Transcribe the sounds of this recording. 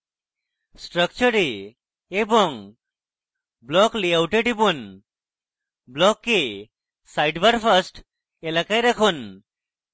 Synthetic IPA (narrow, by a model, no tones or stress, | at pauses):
sʈɾəkt͡ʃəɾe | ebɔŋ | blɔkliawʈeɖibun | blɔkːe | sajʈbaɾpʰasʈ | elakajɾakʰun